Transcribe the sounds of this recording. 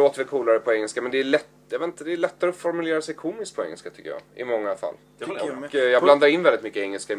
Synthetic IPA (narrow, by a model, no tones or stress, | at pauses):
oːt̪əɾvɪlkʰuːlaɾəpʰɔɛŋːəlskamɛnd̪ɛæɭɛt̪ | jɑveːt̪nt̪əd̪ɛːɭɛt̪ːaɾɔfɔɾmɵleːɾasɛjkʰuːmɪsk̪t̪̚pʰɔɛ̰ŋːəlskat̪ʰʏ̥kːəjɑ̰ːʔɪ̰mɔŋːafa̰lː | ɔkjɑːɡland̪aɾɪnvɛlɪt̪mʏkːəɛŋːəlskaɪ